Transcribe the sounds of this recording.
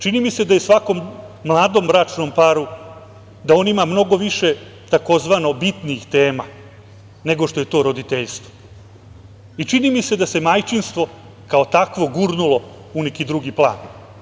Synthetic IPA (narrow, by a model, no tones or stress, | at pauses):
t͡ʃinimise̞d̪aje̞sʋako̞mːlˠaːd̪o̞mːɾat͡ʂno̞mpaɾu | d̪ao̞nimamno̞ɡo̞ʋiʂe | t̪ako̞zʋano̞bit̪niixt̪e̞ːma | ne̞ɡo̞ʂt̪o̞je̞t̪o̞ːɾo̞d̪it̪eʎst̪ʋo̥ | it͡ʂinimise̞d̪ase̞majt͡ʃinst̪ʋo̞ | kao̞t̪akʋo̞ɡuɾnulˠo̞ | unekid̪ɾuɡiplˠa̰ːn